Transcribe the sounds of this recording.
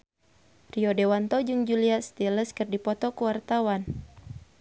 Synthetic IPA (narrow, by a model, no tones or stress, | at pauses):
riɔdewant̪ɔd͡ʒuŋd͡ʒuliast̪iləskɨrdipɔt̪ɔkuwart̪awan